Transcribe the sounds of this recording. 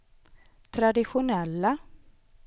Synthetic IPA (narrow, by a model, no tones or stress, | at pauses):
t̪ʰɾad̪ɪɧʊnɛlːa